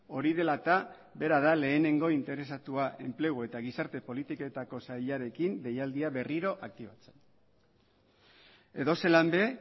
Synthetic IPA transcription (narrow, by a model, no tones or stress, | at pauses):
o̞ɾið̞e̞lat̪a | be̞ɾaðale̞ːne̞ŋɡo̞int̪e̞ɾe̞sat̪uaʔe̞mple̞ɣue̞t̪aɣ̞isaɾt̪e̞po̞lit̪ikoe̞t̪ako̞sajʎaɾe̞kinbe̞jald̪iaβe̞riɾo̞ʔak̚t̪iβat͡se̞n | e̞ðo̞se̞lambe̞